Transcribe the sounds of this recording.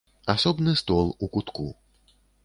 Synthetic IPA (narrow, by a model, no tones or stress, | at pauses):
asɔbnɨst̪ɔlˠukut̪ku